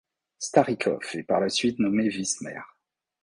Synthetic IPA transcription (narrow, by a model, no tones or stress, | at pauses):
st̪aʁikʰɔ̰fɛpaʁlasɥit̪nɔmevismɛ̰ʁ